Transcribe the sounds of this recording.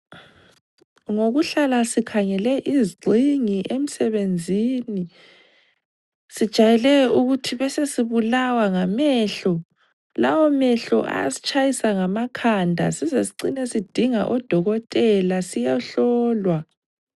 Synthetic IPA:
ŋoɣuɬalasikʰaŋɛlɛʔiziɡ͡ǀʱiŋiʔem̩sɛβend͡zʱiːni | sid̥ʒ̥ʱajɛlɛuɣutʰiβɛsesiβulawaŋamɛːɬɔ | lawɔmɛɬɔ̰ʔa̰ja̰si̥t͡ʃʼajisaŋamakʰandʱa̰sizesiǀinesid̥ʱiŋa̰ʔɔd̥ʱɔɣɔtʼɛlasijaɬɔːlwa

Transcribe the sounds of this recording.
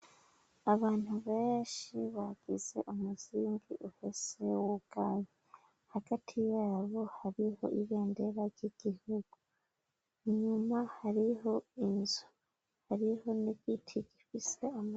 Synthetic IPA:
aβaːn̥huβeːʃiβaɡ̥iz̥e̞̰ʔumuz̥iːŋɡiʔuhese̞woɡ̥aːje | haɡ̥atʰijaːβo̞haɾiho̞̰ʔiβeːnde̞ɾaɟiɡ̥ihuɡ̥u | ɲumahaɾiɦo̞inzu̥ | haɾiho̞nikitʰiɟifise̞am

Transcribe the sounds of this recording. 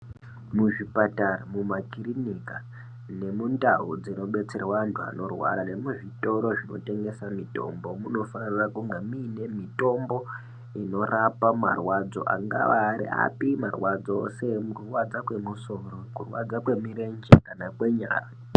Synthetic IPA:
muʐipataramumakirinika | ne̞mundaɦud͡zino̞ɓe̞t͡serwantʰua̰no̞rwa̰ɾane̞muʐito̞ɾo̞ʐino̞̰te̞ŋɡe̞samito̞̰mbo̞muno̞fanirakuŋɡamine̞mito̞mbo̞ | ino̞rapama̰rwad͡zo̞̰ʔa̰ŋɡa̰ʋaːɾḭa̰pimarwad͡zao̰se̞mukurwad͡zakwe̞muso̞ro̞kurwa̰d͡zakwe̞mirend͡ʒekanakwe̞ɲa̰ːra

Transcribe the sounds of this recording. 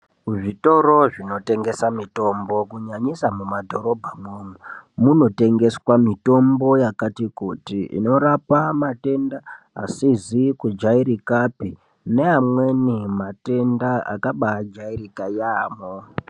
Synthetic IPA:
ʐito̞ɾo̞ʐino̞te̞ŋɡe̞samito̞mbo̞kuɲaɲisamumadʱo̞ɾo̞bʱamomumuno̞te̞ŋɡe̞swamito̞mbo̞jakatikutiʔḭno̞ɾapamate̞nda | a̰sizikud͡ʒaiɾikapi | ne̞amwenimate̞ndaa̰kaɓad͡ʒairikajaːmo

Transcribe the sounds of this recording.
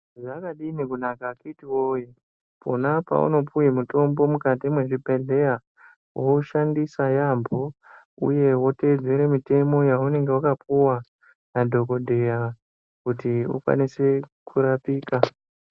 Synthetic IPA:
ʐakaɗinikunakakitiwoji | pʰo̰napa̰ṵno̞pujimuto̞mbo̞mukatimwe̞ʐipeɮe̞ja | wouʃandisajambo̞ | ṵje̞wo̞te̞d͡zeɾemite̞mo̞jaune̞ŋɡe̞wukapuwa | nadʱo̞ko̞dʱe̞ja | kutiṵkwa̰nise̞kuɾapiːka

